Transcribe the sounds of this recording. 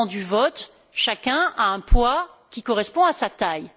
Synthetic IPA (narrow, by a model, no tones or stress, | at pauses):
d̪yvɔt̪ | ʃakʲɛ̃aɛ̃pwakʲikɔʁɛspɔ̃asat̪aj